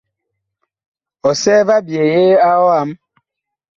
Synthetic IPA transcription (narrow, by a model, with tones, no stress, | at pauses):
ɔ˨sɛ˦va˦bje˨je˦a˦ɔ˦a˦m